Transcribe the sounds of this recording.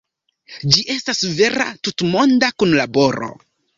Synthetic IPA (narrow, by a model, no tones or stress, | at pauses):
d͡ʒiʔe̞stasve̞ɾa̰tutmo̞ndakunlabo̞ɾo̞̰